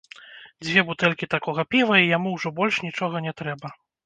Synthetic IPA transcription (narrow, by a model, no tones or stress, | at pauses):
d͡zʲvʲɛbut̪ɛlʲkʲit̪akɔɣɐpʲivɐijamuwʐɔbɔlʲʂnʲit͡ʂɔɣɐnʲɛt̪ɾɛbɐ